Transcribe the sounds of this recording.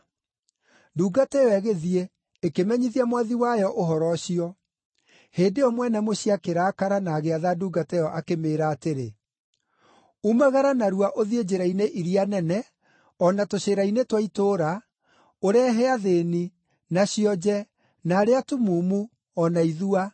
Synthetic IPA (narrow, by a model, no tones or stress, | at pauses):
duːɡatɛɔɛɣeðie | ekemɛɲiðiamwaðiwajɔʔoɦɔɾɔɕiɔ | heːdeɔmwɛnɛmoɕiakeɾakaɾanaːɣeaðaduːɡatɛjɔʔakemeːɾaːteɾe | umaɣaɾanaɾuaʔoðied͡ʑeɾaineʔiɾianɛnɛ | ɔnatoɕeɾainetwaitoːɾa | oɾɛɦɛaðeni | naɕiɔd͡ʑɛ | naːɾeatumuːmu | ɔnaiðua